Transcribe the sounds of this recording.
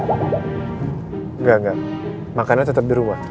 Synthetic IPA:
ŋɡaŋɡa | makanat̪ət̪əp̚diɾumah

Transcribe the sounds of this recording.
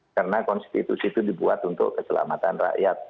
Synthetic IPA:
ərnakɔnst̪it̪usit̪udibuat̪unt̪ʊ̰kːəsəla̰mat̪anra̰ʔjat̪̚

